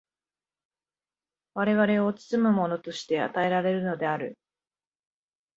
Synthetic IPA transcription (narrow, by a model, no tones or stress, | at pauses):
βaɾe̞βaɾe̞ot͡sɨ̥t͡sɨmɯ̟mo̞no̞t̪o̞ɕi̥t̪e̞a̰t̪ae̞ɾaɾe̞ɾɯ̟no̞d̪e̞aɾɯ̟̰